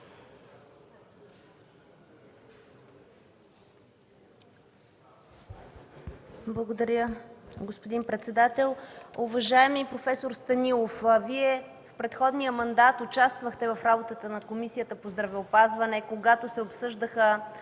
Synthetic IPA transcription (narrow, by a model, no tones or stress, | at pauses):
blˠɐɡod̪ɐɾjəɡospod̪inpɾɛt̪sɛd̪at̪ɛlˠʊvɐʒaɛmipɾofɛsoɾst̪ɐnilˠofviɛ | fpɾɛt̪xɔd̪nijəmɐnd̪at̪ʊt͡ʃast̪vəxt̪ɛvɐfɾabot̪ət̪ənɐkomisijət̪əpozd̪ɾɐvɛopazvɐnɛkoɡat̪osɛopsɤʒd̪əxə